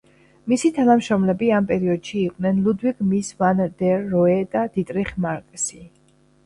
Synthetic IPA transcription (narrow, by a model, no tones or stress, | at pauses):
misit̪ʰanamʃɾɔmlɛbiampʼɛɾiɔd̪̥ʃiːqʼnɛnlud̪viɡmisvanɾd̪ɛɾːɔɛd̪̥ad̪̥it̪ʼɾiχmaɾkʼsi